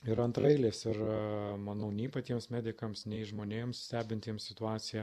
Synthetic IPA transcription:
ɪɾɐnt̪ɾɐɪlʲeːsɪrmɐnɐʊnʲɛːpɐt̪ʲiɛmsmʲæːd̪ʲɪkɐmsnʲɛɪʒmoːnʲeːmssʲt̪ʲæːbʲɪnʲt̪ʲiːmssʲɪt̪ʊɑːt̪sʲɪjɛ

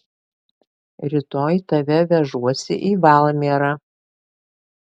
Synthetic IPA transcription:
ɾʲɪt̪oːjt̪ɐʋʲɛʋʲɛʒuɔsʲɪ̰ʔiːʋɑˑlˠmʲeːɾɑ

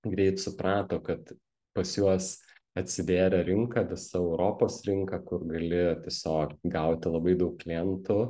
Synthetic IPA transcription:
ɡɾʲɛɪt̪sʊpɾɑːt̪oːkɐt̪ | pɐsjuɔs | ɐt̪ʲsʲɪd̪ʲeːɾʲɛɾʲɪŋkɐʋʲɪsɐɛʊɾoːpoːsɾʲɪŋkɐkʊɾɡɐlʲɪt̪ʲiɛsʲoːkɡɐʊt̪ʲɪlˠɐbɐɪd̪ɐʊk̚klʲɪɛnt̪ʊ

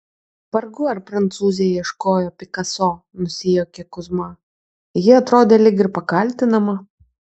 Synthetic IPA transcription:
pɐɾɡʊɐɾpɾɐnt̪suːzʲeiɛʃkoːjoːpʲɪkɐsoː | nʊsʲɪjoːkʲɛkʊzmɑ | jɪɐt̪ɾoːd̪ʲeːlʲɪkʲɪɾpɐkɐlʲˑt̪ʲɪnɐmɐ

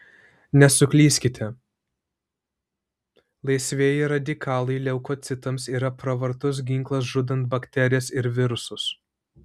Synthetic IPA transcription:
nʲɛsʊkʲlʲiːsʲkʲɪt̪ʲɛ | lˠɐɪsʲʋʲeːjɪɾɐd̪ʲɪkʰɑːlˠɐɪlʲɛʊkoːt̪sʲɪt̪ɐmsiːɾɐpɾɐʋɐɾt̪ʊs̬ɡʲɪŋklˠɐs̬ʒʊd̪ɐnt̪̚bɐkʲt̪ʲɛɾʲɪjɛsɪɾʋʲɪɾʊsʊs

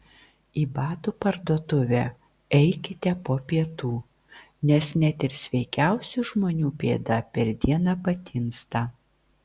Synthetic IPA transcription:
iːbɑːt̪uːpɐɾd̪uɔt̪ʊʋʲæ | ɛɪkʲɪt̪ʲɛpoːpʲiɛt̪uː | nʲɛsnʲɛt̪ʲɪɾsʲʋʲɛɪkʲæˑʊsʲuʒmoːnʲuːpʲeːd̪ɐpʲɛɾd̪ʲiɛnɑpɐt̪ʲɪnst̪ɑ

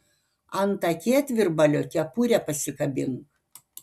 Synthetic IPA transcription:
ɐnt̪ɐkʲeːt̪ʲʋʲɪɾbɐlʲoːkʲɛpuːɾʲɛpɐsʲɪkɐbʲɪŋk

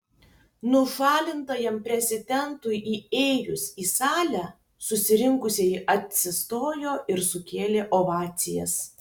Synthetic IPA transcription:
nʊʃɑːlʲɪnt̪ɐjɛmpʲɾʲɛzʲɪd̪ʲɛnt̪ʊjʔiːɛɪɾʲʊsiːsɑːlʲæː | sʊsʲɪɾʲɪŋkʊsʲɛʔɐt̪ʲsʲɪst̪oːjoːʔɪɾsʊkʲeːlʲeːʔoʋɑːt̪sʲɪjɛ̰s

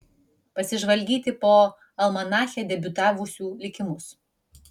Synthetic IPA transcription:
pɐsʲɪʒʋɐlʲɡʲiːt̪ʲɪpoː | ɐlˠmɐnɑːxʲɛːd̪ʲɛbʲʊt̪ɑːʋʊsʲuːlʲɪkʲɪmʊs

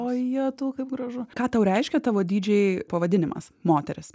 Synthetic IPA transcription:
oːjɛt̪uːkɐɪpɡɾɐʒʊkɑːt̪ɐʊɾʲɛɪʃʲkʲɛt̪ɑːʋoːd̪ʲiːd͡ʒʲɛɪpɐʋɐd̪ʲɪnʲɪmɐ̰smoːt̪ʲɛɾʲɪs

